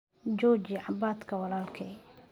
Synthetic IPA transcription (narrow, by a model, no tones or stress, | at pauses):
d͡ʒɔːt͡ʃɪʕɑbaːt̪kʰɐwɑlaːlkʰɛ